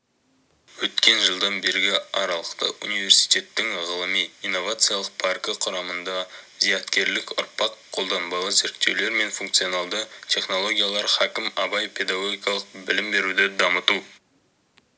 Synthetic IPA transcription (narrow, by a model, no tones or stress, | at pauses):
wɵt̪kʲe̞nʒəlˠd̪ɑnbe̞ɾɡʲɪɑɾɑlˠəqt̪ə̰ʔunijve̞ɾsi̥jt̪e̞t̪ːɪŋʁəlˠəmijinːo̞vat̪sɨjalˠəq̚pʰarkəqʰʊɾɑmənd̪ɑzijɑt̪kʲe̞ɾlɪkʊ̰ɾpɑqqʰːo̞lˠd̪ɑnbɑlˠəze̞ɾk̚t̪ːe̞wle̞ɾme̞nfuŋk̚t̪sijo̞nalˠd̪ət̪ʲʰe̞χno̞lˠo̞ɡʲijalˠɑɾχækʲɪmɑbɑjpʲʰe̞d̪aɡo̞ɡʲijkɑlˠəq̚bɪlɪmbe̞ɾud̪ɪd̪ɑmət̪u